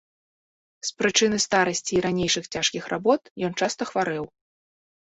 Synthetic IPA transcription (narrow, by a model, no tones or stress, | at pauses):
spɾɨt͡ʂɨnɨst̪aɾɐsʲt͡sʲiːɾanʲejʂɨxt͡sʲaʂkʲixrʔabɔt̪jɔnt͡ʂast̪ɐxvaɾɛw